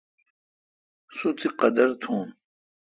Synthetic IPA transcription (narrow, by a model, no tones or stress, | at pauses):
sut͡s̪iqɐd̪ɐɾt̪ʰũːn